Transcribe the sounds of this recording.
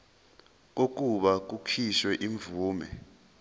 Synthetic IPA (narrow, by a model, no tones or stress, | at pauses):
k̬ok̬ʼuɓak̬ukʰiʃwɛʔiɱvuːmɛ̰